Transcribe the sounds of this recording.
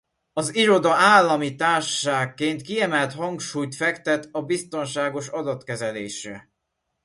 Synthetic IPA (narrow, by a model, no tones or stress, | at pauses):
ɒziɾo̞d̪ɒaːlːɒmit̪aːrʃʃaːkːeːnt̪kiɛmɛlt̪hɒŋkʃuːjt̪fɛkt̪ɛt̪ɒbist̪o̞nʃaːɡo̞ʃɒd̪ɒt̪kɛzɛleːʃɾɛ